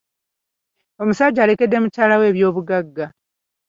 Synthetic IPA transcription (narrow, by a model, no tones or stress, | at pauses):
o̞musaɟːaːle̞ke̞dːe̞mucaːlawe̞ːβjo̞ːβuɡaɡːa